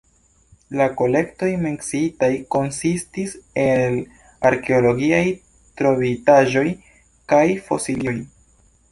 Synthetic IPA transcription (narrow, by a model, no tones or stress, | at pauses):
lako̞le̞kto̞jmeksitajko̞nsistisel | aɾke̞olo̞ɡiaj | tɾo̞vitaʒo̞j | kajfo̞̰silio̞j